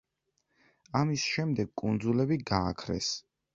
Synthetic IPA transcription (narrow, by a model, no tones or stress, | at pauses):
amisʃɛmd̪ɛɡ̚kʼund̪zulɛbiɡa̰ːkʰɾɛ̰s